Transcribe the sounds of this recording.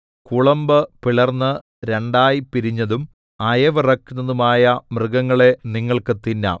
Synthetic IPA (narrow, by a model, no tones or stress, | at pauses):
kuɭɐmbɨpiɭɐrnːɨ | ɾe̞ɳɖaːjipiɾiɲːɐðum | ɐjɐʋɐrɐkːunːɐðumaːjɐmrɨɡɐŋːɐɭe̞niŋːɐɭkɨt̪inːɐ̰